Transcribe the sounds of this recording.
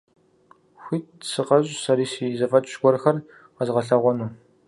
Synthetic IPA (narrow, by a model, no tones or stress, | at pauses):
xʷiːt̚sɨqɐʑʼsɐɾiːsiːzɐfʼɐtʼɕɡʷɔrxɐr | qɐzʁɐɬɐʁʷɔnuː